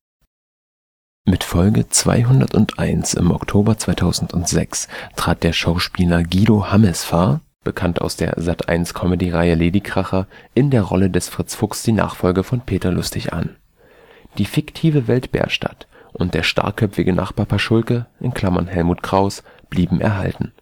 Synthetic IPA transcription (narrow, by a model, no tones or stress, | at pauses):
mɪtfɔlɡət͡sv̥a̰ɪɦʊndɐ̰tʊntʔaɪnsɪ̰mʔɔ̰ktʰoːbɐt͡sv̥aɪtʰaʊzn̩tʊntz̥ɛ̰kstʁ̥aːt̚d̥eːɐʃaʊʃpiːlɐɡiːdohamɛsfaɐ | b̥əkʰanta̰ʊsd̥eːɐzatʔa̰ɪnskʰɔmədiːʁaɪəleːdikʁ̥aχɐʔɪndeːɐʁɔ̰lədɛsfʁ̥ɪt͡sfʊksd̥iːna̰ːχfɔlɡəfɔnpʰeːtɐlʊstɪçʔa̰n | d̥iːfɪktʰiːvəvɛltb̥ɛ̰ːɐʃta̰tʔʊnt̚d̥eːɐʃtʰa̰ɐkʰœpfɪɡənʔa̰χb̥aɐpʰaʃʊlkəʔɪnkʰl̥amɐ̰nɦɛlmuːtkʁ̥aʊs | b̥liːbm̩ʔɛ̰ɐɦa̰ltn̩